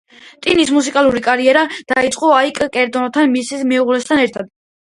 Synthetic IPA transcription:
t̪ʼinismus̬ikʼalˠuɾikʼaɾiɛɾad̪̥ait̪sʼqʼɔaikʼkʼɛɾd̪ɔnɔt̪ʰanmisismɛuʁlɛst̪ʰanɛɾt̪ʰad̪̥̚

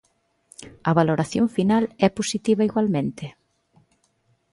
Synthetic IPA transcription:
ɐβaloɾaθjo̰ɱfinalɛposit̪iβɐiɣwalmẽnt̪ɪ

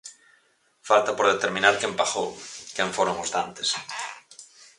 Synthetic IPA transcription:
falt̪apoɾðet̪eɾmĩnaɾkempaxowkẽɱfoɾoŋozðant̪e̥s

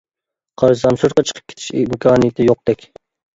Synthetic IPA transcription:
qʰɑɾʃzɑmsuɾqɑt͡ʃʰə̥qʰə̥p̚kʲʰe̥t̪ʰɪ̥ʃmkʰɑːnɨjt̪ʰɪjoq̚d̪̥ɛkʲ

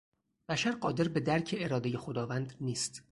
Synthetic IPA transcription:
b̥æʃæɾɢɒːd̪e̞ɾbe̞d̪æɾcʰeeɾɒːd̪e̞jexod̪ɒːvænd̪niːst̪

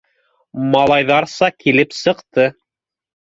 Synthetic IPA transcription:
mɑlˠɑjðɑɾsɑkilɘpsɤ̆qt̪ɤ

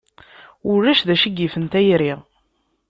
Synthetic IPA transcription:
ʊɾːæʃðæʃəɡːifənt̪æjɾiʁ

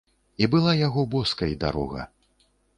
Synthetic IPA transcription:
ibɨlˠajaɣɔbɔskɐjd̪a̰ɾɔ̰ɣɐ̰

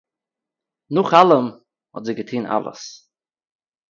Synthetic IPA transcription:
nʊχalˠəm | hɔ̰tzɪɡətʰiːnʔa̰lˠə̰s

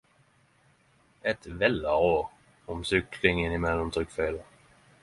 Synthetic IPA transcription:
ɛt̪vɛlːaɾoːɾ | ɔmsʏklɪŋənɪmɛlːant̪ʰɾʏkːfeːlə

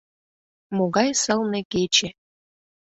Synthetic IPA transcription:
moɣɑjsɤ̆lˠnĕket͡ɕe

